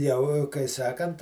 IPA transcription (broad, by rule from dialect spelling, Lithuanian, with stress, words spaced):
jɛʊ kɐɪ ˈsɑːkɐnt